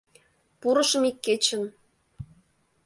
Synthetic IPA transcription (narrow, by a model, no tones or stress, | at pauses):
puɾɤ̆ʃə̆mikːet͡ɕə̆n